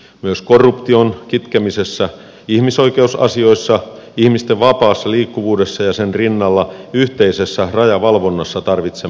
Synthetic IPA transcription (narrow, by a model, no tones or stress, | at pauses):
myøskorːupt̪io̞nkit̪kemisesːæ | ihmisoikeusɑ̰sio̞isːɑ | ihmist̪eʋʋɑpɑːsːɑliːkːuʋuːdesːɑjɑsenrinːɑlːɑyht̪eisesːærɑjɑʋɑlʋo̞nːɑsːɑt̪ɑrʋit̪se